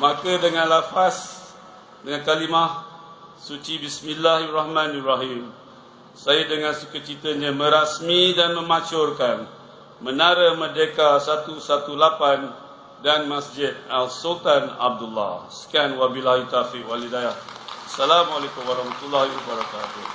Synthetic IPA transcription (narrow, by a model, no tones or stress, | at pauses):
makadəŋãnlafas | dəŋankalimah | sut͡ʃibismilːahrahmãnaraɦim | sajadəŋãnsukət͡ʃit̪əɲə̃mə̃ɾasmidanmə̃mat͡ʃʊrkan | mə̃naɾəmərdekasat̪usat̪ulapan | danmasd͡ʒɪd̪̚alsult̪ana̰b̚dulːa̰skanwabilahit̪afɪkwalidajahasalamalakumwaɾɑhmat̪ulːahiwabaɾakat̪u